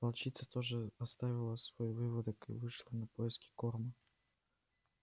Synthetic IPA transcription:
pɐlˠt͡ɕit̪sət̪oʐɨɐst̪avʲɪlˠəsvoivɨvəd̪ɨkɨ̰vɨʂlˠənɐpojɪskʲɪ̥kormə

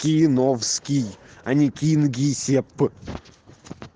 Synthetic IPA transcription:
kʲijnofskʲijɐnʲikʲinɡʲijsʲepːɨ

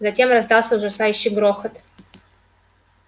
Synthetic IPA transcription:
zɐtʲe̞mrɐzd̪ɑlˠsʲəʊʐɐsajʉɕːɪjɡɾoxət̪

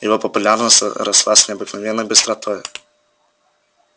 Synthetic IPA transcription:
jɪvopəpʊlʲarnəsʲɾɐslˠasʲnʲɪɐbɨknɐvʲɛnːəjbɨst̪ɾɐt̪ɔj

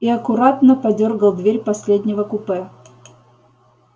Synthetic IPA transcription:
iɐkʊɾat̪nəpɐdʲorɡəlˠd̪vʲeɾʲpɐsʲlʲed̪ʲnʲɪvəkʊpɛ

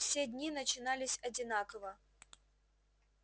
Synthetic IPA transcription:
fsʲedʲnʲinət͡ɕɪnalʲɪsʲɐd͡zʲɪnakəvə

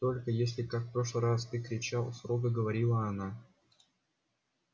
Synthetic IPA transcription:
t̪o̞lʲkəjesʲlʲɪkakpɾo̞ʂlˠɨjrast̪ɨkɾʲɪt͡ɕalˠsɾoɡəɡəvɐɾʲilˠəɐna

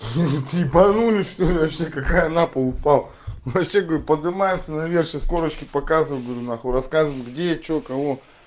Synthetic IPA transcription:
t̪ɨpɐnulʲɪsʂt̪otvɐɕekɐkajənapəlˠʊpalˠ | vɐpɕeɡəʋəɾʲupəd̪ɨmajɪmsʲənɐvʲerɕɪsko̞ɾət͡ɕkʲɪpɐkazɨvɨjʲˠɡəʋɾʲunaxoɾɐskazɨvəɪt̪ɡdʲet̪̚t͡ɕokɐvo

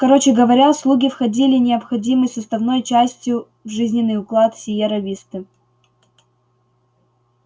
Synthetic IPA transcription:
kɐɾo̞t͡ɕɪɡəvɐɾʲaslˠuɡʲɪfxɐdʲilʲɪnʲɪɐpxɐdʲiməjsʊst̪ɐvno̞jt͡ɕæsʲtʲjʊ | vʐɨzʲnʲɪnːɨjʊklˠat̪fsʲɪjeɾɐvʲist̪ɨ

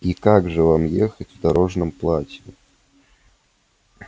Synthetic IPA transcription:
ikaɡʐɨvamjexətʲvd̪ɐɾo̞ʐnəmplˠatʲɪjʊ

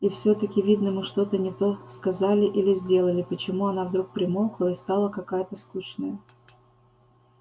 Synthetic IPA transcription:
ifsʲɵt̪əkʲɪvʲid̪nəmɨʂt̪o̞t̪ənʲɪt̪o̞skɐzalʲɪʔilʲɪzʲdʲe̞lˠəlʲɪpət͡ɕɪmuɐnavd̪ɾuk̚pɾʲɪmolˠklˠəɪst̪alˠəkɐkajət̪əskuʂnəjə

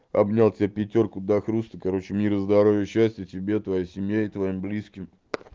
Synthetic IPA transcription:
ɐ̰bnʲalˠtʲɪapʲɪtʲo̞rkʊd̪ɐxɾust̪əkɐɾo̞t͡ɕɪmʲiɾəzd̪ɐɾovʲjəɕːæsʲtʲjətʲɪbʲe̞t̪vɐjajsʲɪmʲjaɪt̪vɐimblʲiskʲɪm

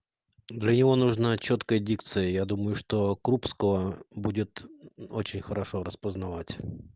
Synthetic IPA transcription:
d̪lʲənʲɪvo̞nuʐnat͡ɕo̞t̪kəjədʲikt̪sɨjəjad̪uməjʊʂt̪okɾupskəvəbudʲɪt̪ot͡ɕɪnʲxəɾɐʂo̞ɾəspəznɐvatʲ

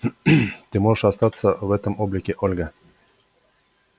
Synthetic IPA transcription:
t̪ɪmoʂast̪ɑt̪səvɛt̪əmoblʲɪkʲɪʔolʲɡə

